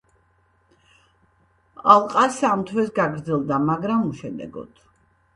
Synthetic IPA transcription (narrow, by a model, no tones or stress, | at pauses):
alˠqʼasamt̪ʰwɛsɡaɡɾd̪zɛlˠd̪amaɡɾamuʃɛd̪ɛ̰ɡɔ̰d̪̥